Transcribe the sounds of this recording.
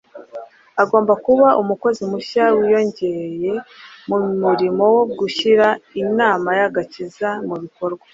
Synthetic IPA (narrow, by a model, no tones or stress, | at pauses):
aɡo̞ːmbakuβaʔumuko̞zimuʃawijo̞ɲɟe̞je̞mumuɾimo̞wo̞ɡuçiɾainaːmajaɡacizamuβiko̞ɾɡwḁ